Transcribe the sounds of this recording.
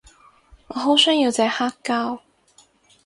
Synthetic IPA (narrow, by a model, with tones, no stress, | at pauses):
ŋɔ˨˧ɦo˧˥wsœː˥ŋji˨˧wt͡sɛ˧˥haː˥kːaː˥w